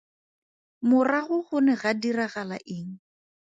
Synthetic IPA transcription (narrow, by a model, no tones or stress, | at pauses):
mʊraɣʊχʊnɛɣadiraɣalaʔɪːŋ̩